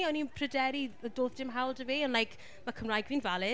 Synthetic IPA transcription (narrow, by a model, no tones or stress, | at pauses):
ɔninpʰrədɛɾidoːðd̥ɪmɦawlˠdəviɔnlajkʰ | makʰəmrajɡvinvalˠɪ